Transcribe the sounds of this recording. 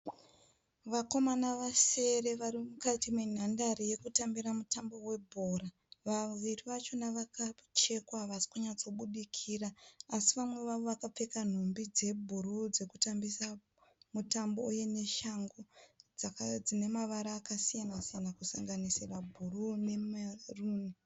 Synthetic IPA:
ʋako̞manaʋase̞re̞ʋarimukatimwen̤andaɾije̞kutambiɾamutambo̞we̞bʱo̞ɾa | ʋaʋiriʋat͡ʃo̞naʋakat͡ʃe̞kwaʋasi̥kuɲat͡so̞ɓuɗikʰiraːsiʋamwe̞ʋaʋo̞ʋakap͡fe̞kan̤umbid͡ze̞bʱurud͡ze̞kutambisa | mutambouje̞ne̞ʃaŋɡod͡zakd͡zine̞maʋaɾaːkasijanasijanakusaŋɡanisirabʱurune̞maruːni

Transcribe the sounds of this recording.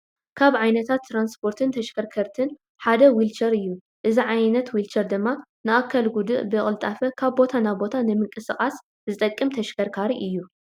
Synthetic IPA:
kʰaβʕajnɐt̪ʰat̪ːɾanspʰo̞ɾt̪ʰɨnt̪ʰɐʃkɐɾkʰɐɾt̪ʰɨn | ħad̪ɐwilt͡ʃʰɐɾɨjːu | ʔɨziʕajnɐt̪wilt͡ʃɐɾd̪ɨmːa | nɨʔakʰːɐlɡud̪ɨʔbɨχʼɨlt̪ʼafɐkʰaβbo̞t̪ʰanaβbo̞t̪ʰanɨmɨŋkʼɨsɨχʼas | zɨt̪ʼɐkʼːɨmt̪ʰɐʃkɐɾkʰaɾiʔɨjːu

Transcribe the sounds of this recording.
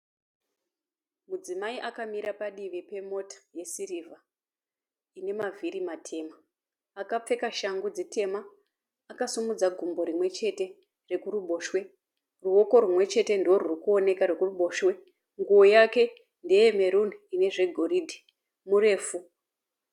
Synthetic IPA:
mud͡zimaiʔakamiɾapaɗiʋipe̞mo̞tḁje̞siriva | ine̞maviɾimatʰe̞maː | kap͡fe̞kaʃaŋɡud͡zite̞maː | kasumud͡zaɡʱumbo̞ɾimwe̞t͡ʃe̞te̞ | rekuruɓo̞ːʃwe̞ | ruo̞ko̞rumwe̞t͡ʃe̞te̞ndiwo̞rurikuo̞ne̞kaɾekuruɓo̞ːʃwe̞ | ŋɡuwojake̞ | nde̞jemeɾun̤uine̞ʐe̞ɡʱo̞ridʱi̥ | mure̞ːfu

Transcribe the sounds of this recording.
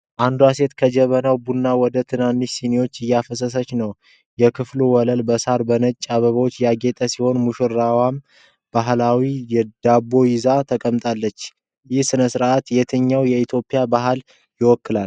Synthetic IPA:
ʔand̪uase̞t̪kʰəd͡ʒɛβənawbunːawɔd̪ət̪ʰɨnanːɨʃsiniwo̞t͡ʃːɨjːafəs̬əs̬ət͡ʃːnəw | jɛkʰɨfluwɔləlbəsaɾbənət͡ʃʼːaβəβəwot͡ʃːjaɡe̞t̪ʼəsiho̞nmuʃɨɾawam | b̥aɦlawijɛd̪̥abo̞jɪzat̪ʰəkʼəmt̪ʼalːət͡ʃː | jɪhsɨnəsɨɾʔat̪jɛt̪ʰɨɲːawjɛit̪ʰjo̞pʼːijabaɦal | jɪwɔkːɨlal

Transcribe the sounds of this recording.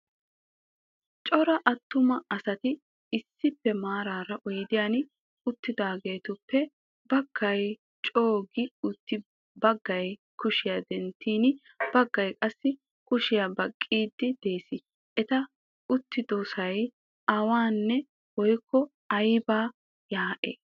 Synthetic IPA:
t͡ʃʼɔɾɐʔɐt̪ːʊmɐɐsɐt̪ɪ | ɪsːɪpːɛmaːɾaːɾɐʔɔjɪd̪ɪjanɪ | ʊt̪ːɪd̪aːɡe̞ːt̪ʊpːɛ | bɐɡ̥ːɐj | t͡ʃʼo̞ːɡɪʊt̪ːɪ | bɐɡːɐj | kʊʃɪjad̪ɛnt̪ːiːnɪ | b̥ɐɡːɐjkʼɐsːɪ | kʊʃɪjabɐkʼːiːd̪ːɪd̪̥e̞ːsɪ | ʔɛt̪ɐ | ʊt̪ːɪd̪ɔsɐj | ʔɐwaːnːɛ | wɔjkːɔ | ɐjbaː | jaːʔḛː

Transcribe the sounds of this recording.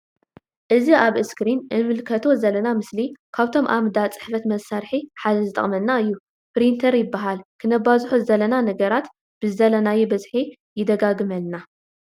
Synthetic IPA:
ʔɨziaβɨskɾinʔɨmɨlkʰɐt̪ʰo̞zɐlːɐnamɨslikʰaβt̪ʰo̞mʔamd̪at͡sʼɨ̥ħfɐt̪mɐsaɾħiħad̪ɐzɨt̪ʼɐ̰χʼmɐnːaɨjːu | pɾint̪ʰɐɾjɪbːaɦalkʰɨnɐβazħozɐlɐnanɐɡɐɾat̪ | b̥ɨzɐlɐnajebɐzħi | jɪd̪ɐɡaɡɨmɐlna

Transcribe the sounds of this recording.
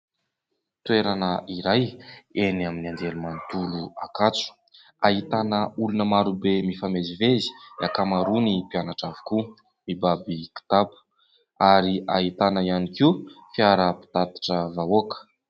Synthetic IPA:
t̪ueɾanəʔiɾajenaminiand̪elumant̪uluakat͡su̥ | aɦit̪anəulunəmaɾubemifamezivezi̥akamaɾunipianaʈ͡ʂavi̥ku | mibabiki̥t̪apu̥ | aɾiʔaɦit̪anəianikiufiaɾəpi̥t̪at̪ḁʈ͡ʂəvaokə̥

